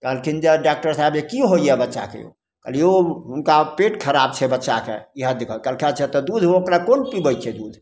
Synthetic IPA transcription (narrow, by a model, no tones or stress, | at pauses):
kəlkind͡ʒeɖak̚ʈəɾsaɛbjekiɦoijɛbətːʃa̰kḛjo̰ | kə̰lioɦunkapeʈkʰəɾab̚t͡ʃʰɛbətːʃa̰kḛiɦəd̪ekʰəlkəlkʰat͡ʃʰɛt̪ɔd̪ud̪ʱɦookɾakonpibəjt͡ʃʰɛd̪ud̪ʱ